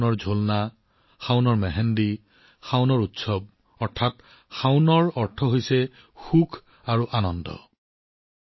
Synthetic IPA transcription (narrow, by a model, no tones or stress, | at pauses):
nɔɹzʱolna | xawnɔɹmɛɦɛndi | xawnɔɹutsɔb̚ | ɔɹtʰat | xawnɔɹɔɹtʰɔɦojsɛ | xukʰ | aɹuʔanɔndɔ̰